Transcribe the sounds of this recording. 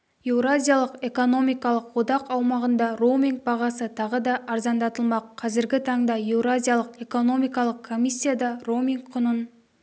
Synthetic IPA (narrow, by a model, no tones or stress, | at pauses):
ewɾazʲijalˠəqe̞ko̞no̞mijkɑlˠəqwod̪ɑqɑwmɑʁənd̪ɑro̞wmiŋɡ̚bɑʁɑsət̪ʰɑʁəd̪ɑʔːɾzɑnd̪ɑt̪əlˠmɑqʰːɑzɪɾɡʲɪt̪ʰɑɴd̪ɑjewɾazʲijalˠəqe̞ko̞no̞mijkɑlˠəqkʰːo̞mijsʲːijad̪ɑromʲiŋkqʰʊnən